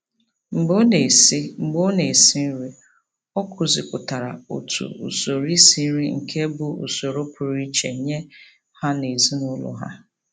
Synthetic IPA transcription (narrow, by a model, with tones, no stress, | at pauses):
ŋ͡m̩˨ɡ͡bo˦ne˨si˦ŋ͡m̩˨ɡ͡bo˦ne˨si˦n̩˦ɾi˦ | ɔ˦kʰʊ˨zi˨kʷʊ˨ta˨ɾa̰˨o̰˨tʰṵ˨ṵ˨so˨ɾi˦si˦ɾi˦ŋ̩˨kʰe˦bu˦ṵ˨so˨ɾo˦pʊ˨ɾi˦t͡ʃḛ˨ɲe˦ | ha˦ne˨zi˦nʊ˦lʊ̰˦ɦa̰˦